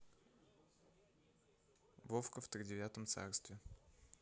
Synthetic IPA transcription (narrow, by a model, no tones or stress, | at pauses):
vofkəft̪ɾʲɪdʲɪvʲat̪əmt̪sa̰rst̪vʲɪ